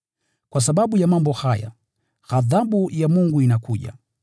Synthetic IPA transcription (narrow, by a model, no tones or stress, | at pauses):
kwas̬aɓaɓujamambɔhaja̰ | ɣaðaɓujamuŋɡuinakuʄa̰